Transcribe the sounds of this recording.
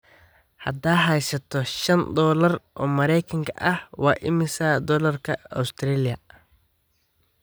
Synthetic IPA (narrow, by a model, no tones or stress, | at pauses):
hɐ̰d̪aːɦɛjsɐt̪ʰɔʃɐnd̪ɔːlɐrʔɔːmɐɾɛjkʰɐŋkʰɐʔɐhwɑːʔɪmɪsɐd̪ɔːlɐrkʰɐɔ̰wst̪ʰrɛːlɪjɐ